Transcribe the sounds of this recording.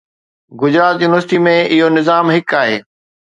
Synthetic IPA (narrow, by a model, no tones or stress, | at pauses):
ɡʊd͡ʑɾaːt̪juːnʋəɾsʈ̪imẽɪɦonɪzaːmɦɪkaːɦeː